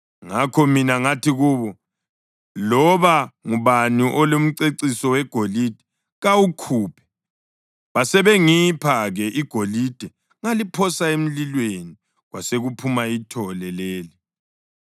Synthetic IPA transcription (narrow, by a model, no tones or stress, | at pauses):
ŋakʰɔminaŋatʰiɣuːβɔ | lɔβaŋuβaniʔɔlum̩ǀeǀisɔwɛɡ̥ʱolid̥ʱɛ̥ | ɣawukʰuːpʰɛ̥ | βasɛβɛŋipʰaɣɛʔiɡ̥ʱolid̥ʱɛ | ŋalipʰɔsaem̩lilweni | ɣwaseɣupʰumaitʰɔlɛleːli